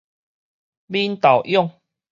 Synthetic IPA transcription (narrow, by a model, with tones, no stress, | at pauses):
mi˦nt̪a˨˩wʔjɔ˥˨ŋ